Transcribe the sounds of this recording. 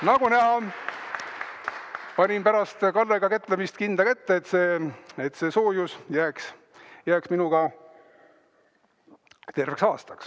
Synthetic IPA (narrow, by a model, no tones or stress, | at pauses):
nɑɡ̥unæɦɑ | pɑnʲimpæɾɑst̪kɑlːeɡ̥ɑkæt̪ːˑlemist̪kind̪̥ɑkæt̪ːeːt̪ːse̞ːet̪ːˑse̞ːso̞ːjusjæːks | jæːksminuɡ̥ɑ | t̪e̞rveksɑːst̪ɑks